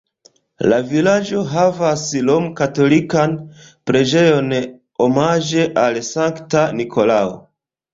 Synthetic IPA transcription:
lavilad͡ʒo̞ɦavaslomkato̞likan | pɾed͡ʒe̞jo̞n | omad͡ʒe̞ʔalsaŋktanikʰo̞lao̰

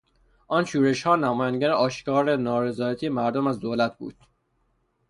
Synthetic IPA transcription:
ʔɒːnʃuːɾe̞ʃhɒːnæmɒːjænd̪eɡæɾeɒːʃkɒːɾenɒːɾe̞zɒːjæt̪ʰiːjemæɾd̪omæzd̪oːlæt̪̚ʰbṵːd̪̥

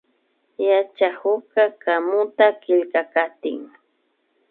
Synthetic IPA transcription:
jat͡ʃahʊkakamʊt̪akɪʎkakat̪ɪ̰ŋ

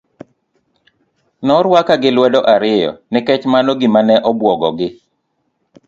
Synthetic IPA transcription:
nɔɾwakaɡɪlwɛdɔʔaɾɪjɔ̰nɪkɛt͡ʃmanɔɡɪmanɛʔɔbwɔɡɔɡɪ

